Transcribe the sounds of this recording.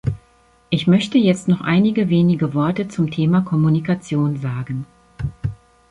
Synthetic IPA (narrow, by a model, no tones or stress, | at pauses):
ʔɪçmœçtəjɛt͡stnɔχʔa̰ɪnɪɡəveːnɪɡəvɔɐtət͡sʊmtʰeːmakʰɔmunikat͡sjoːnzaːɡn̩